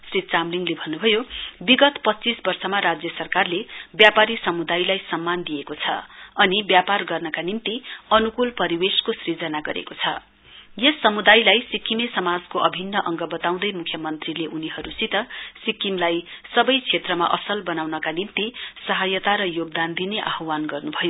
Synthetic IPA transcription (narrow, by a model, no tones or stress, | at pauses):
srit͡samliŋlebʱʌnːubʱʌjobiɡʌt̪pʌt͡sisbʌrsʌmaɾad͡zjʌsʌrkarlebjapaɾisʌmud̪ajlajsʌmːand̪ijekot͡sʰʌ̰ʌnibjaparɡʌrnʌkanimt̪iʌnukulpʌɾiweskosrid͡zʌnaɡʌɾḛkot͡sʰʌ̰ | jʌsʌmud̪ajlajsikimesʌmad͡zkoʔʌbʱinːʌʔʌŋɡʌbʌt̪aw̃d̪ʌjmukʰjʌmʌnt̪rileʔuniɦʌɾusit̪ʌsikːimlajsʌbʌjt͡sʰet̪rʌma̰ʔʌsʌlbʌnawnʌkanimt̪isʌɦajʌt̪aɾʌjoɡ̚d̪and̪ineʔaɦwanɡʌrnubʱʌjo